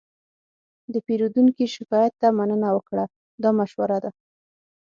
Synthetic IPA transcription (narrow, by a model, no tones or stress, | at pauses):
d̪əpeɾud̪uŋkiʃɪkɑjat̪ːamanənawəkɽa | d̪ɑmaʃwaɾad̪a